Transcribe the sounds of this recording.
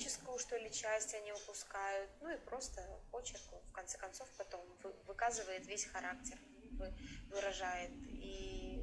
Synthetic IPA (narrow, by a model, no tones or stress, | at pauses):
t͡ɕɪskəvʊʂt̪olʲɪt͡ɕːæsʲtʲɐnʲiʊpʊskajʊt̪nuipɾo̞st̪əpo̞t͡ɕɪrkʊfkɐnt̪sɛ̥kɐnt̪so̞fpɐt̪o̞mvɨvɨkazɨvəjɪt̪vʲesʲxɐɾaktʲɪr | vɨvɨɾɐʐajɪt̪i